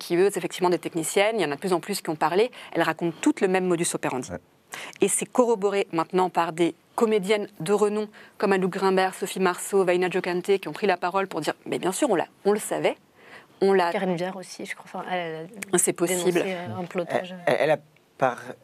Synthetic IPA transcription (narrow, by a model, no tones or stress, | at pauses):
kʲʰiøzefɛkt̪ivmɑ̃d̪et̪ɛknisjɛneljɑ̃nad̪əplyzɑ̃plyskʲiɔ̃paʁleɛ̰lʁakɔ̃t̪t̪ːut̪ləmɛmːɔd̪ysopeʁɑ̃d̪i | esɛkɔʁɔbɔʁemɛ̃t̪nɑ̃paʁd̪e | kɔmed̪jɛnd̪əʁənɔ̃kɔmaluɡʁɛ̃bɛʁsɔfimaʁsovajnaʒokant̪ekʲiɔ̃pχilapaʁɔlpuʁd̪iʁmɛbjɛ̃syʁɔ̃la̰ɔ̃ləsavɛ | ɔ̃lakaʁinvjɛʁosiʒə̥kχwafɛ̃ɛllasɛpɔsd̪iblɛ̃plɔʒɛ̰ʔɛ̰la | paʁ